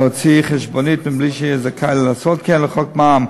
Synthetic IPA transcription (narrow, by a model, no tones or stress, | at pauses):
ɔt͡siχɛʃbɔnitmɪnbliːʃɛzakʰaɪllasɔt̚kɛnləχɔkmam